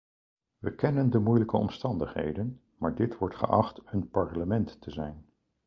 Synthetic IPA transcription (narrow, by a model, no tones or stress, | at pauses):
ʋəkɛnəndəmujləkəɔ̰mstɑndəχɦḛjdən | maːɹdɪtʋɔɹtχə̰ʔɑχtənpɑɹləmɛntːəzɛjn